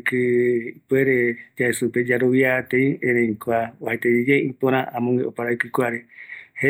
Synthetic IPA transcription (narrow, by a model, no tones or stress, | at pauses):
kɨpweɾed͡ʒaesuped͡ʒaɾoβjat̪eĩẽɾẽĩkoaohat̪ed͡ʒid͡ʒeĩpõɾ̃ãʔamõŋɡeopaɾakɨkʷaɾehe